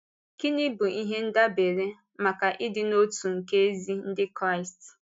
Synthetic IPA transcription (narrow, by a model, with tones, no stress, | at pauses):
ki˦ni˦bʊ˨ʔi˦ɦe˦n̩˦da˦be˨ɾe˦ | ma˨ka˨ʔɪ˦dɪ˦no˦tu˨ŋ̩˨ke˦e˦zi˦n̩˦dɪ˦kɾa˦ɪ˨st